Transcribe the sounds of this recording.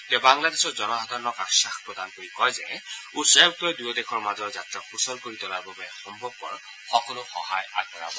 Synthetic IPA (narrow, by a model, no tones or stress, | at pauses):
t̪ɛbaŋladesɔzɔnɔɦɔd̪ʱaɹɔnɔkasaxpɹɔd̪ankoɹikɔjzɛusabtɔjdujɔd̪ɛxʰɔɹmazɔɹzatɹaxusɔlkoɹit̪ɔlaɹbɔbɔɛxɔmbʱɔb̚kɔɹ | xɔkɔlʊxɔhaja̰ɡ̚ɔɹa̰bɔ